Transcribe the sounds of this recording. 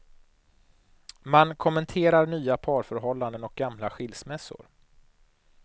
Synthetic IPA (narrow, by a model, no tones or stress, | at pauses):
mankʰɔmːɛnt̪ʰeːɾaɾɳyːapʰɑːɾfœɾɦɔlːand̪ənɔk̚ɡamlaɧɪlsmɛsːʊ̰ɾ